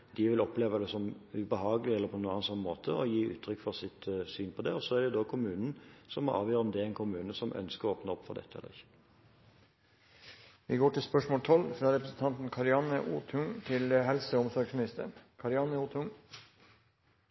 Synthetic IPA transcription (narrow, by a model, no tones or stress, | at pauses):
d̪ɪʋɪlɔpleːʋɑd̪ɛsɔmʉbəɦɑːɡəlɪɛlːəɾpʰɔnuːɑːnːɑnsɔnːmoːt̪ʰəɔjiːʔʉ̰ːt̪ʰːɾʏkːfɔʁsɪt̪syːnpʰɔd̪ɛɔsɔɛʁɖ̪ɛd̪ɔkʰʊmʉːnn̩sɔmːɔɑ̰ːʋjøːɾʁəɔmd̪ɛæɾɛnkʰʊmʉːnəsɔmʔœ̰nskəʁɔoːpnəɔpːfɔʁd̪ɛ̰t̪ːəɛ̰lːəʁɪçːə̥ | ʋɪ̰ɡoːʈɪlspœʂmoːlt̪ʰɔlfɾɑːɾɛpɾəsn̩t̪ɑnt̪n̩kʰɑɾɪɑnəʔuːt̪ʰʊŋt̪ʰɪlɦɛlsəɔmsɔɾɡsmɪnɪst̪əɳkʰɑɾɪɑnəuːt̪ʰʊŋ